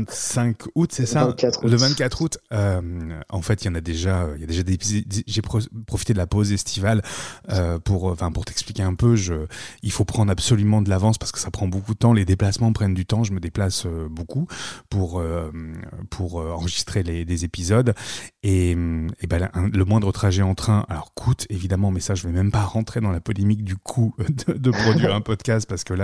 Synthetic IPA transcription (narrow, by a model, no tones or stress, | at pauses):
sɛ̃kut̪sɛsaat̪ləvɛ̃t̪kʲat̪χut̪ømɑ̰̃fɛt̪iljɑ̃nad̪eʒaøiljad̪eʒad̪ezepizd̪ʒeppχɔfit̪ed̪əlapozɛst̪ʰivaløpuʁɑ̃fɛ̃puʁt̪ɛksplikʲeɛ̃pøʒəilfopχɑ̃d̪ʁabsɔlymɑ̃d̪əlavɑ̃spaʁsə̥kə̥sapχɑ̃bokud̪ət̪ɑ̃led̪eplasmɑ̃pχɛnd̪yt̪ɑ̃ʒəməd̪eplasøbokupuʁømpʰuʁøɑ̃ʁəʒist̪χelelezepizɔd̪eebaʔɛ̃ləmwɛ̃d̪ʁət̪χaʒɛɑ̃t̪χɛ̃ʔa̰lɔʁkʰut̪evid̪amɑ̃mɛsaʒəvɛmɛmpaʁɑ̃t̪χed̪ɑ̃lapɔlemik̚d̪ykʰud̪əd̪əpχɔd̪ɥiʁɛ̃pɔd̪kʲast̪̚paʁsə̥kəla